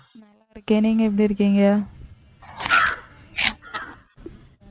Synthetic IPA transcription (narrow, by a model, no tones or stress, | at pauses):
naɐɾɯkːeniːŋɡɐɛp̬ːɐɽiɾɯkːiːŋɡɐa